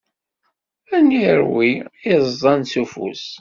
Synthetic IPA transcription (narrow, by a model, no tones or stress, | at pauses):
æniɾwiizˤɑnt͡sufṵs